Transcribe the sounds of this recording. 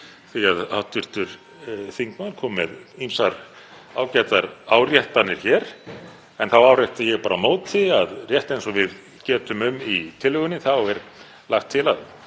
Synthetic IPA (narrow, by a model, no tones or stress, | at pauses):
θiaðawht̪ʏɾ̥t̪ʏɾ̥ | θiŋkmaðkʰɔːmːɛðimsaɾ | aːwcɛt̪aɾaːwrjɛht̪anːɪɾ̥çɛːɾ̥ | ɛnθawaːwrɛht̪ajɛɣpaːɾamoːwt̪ʰɪaðrjɛht̪ejnsɔvɪð | cɛːt̪ʏmʏmit̪ʰɪlːʏɣʏnːɪθawɛɾ | laxt̪ʰːɪlað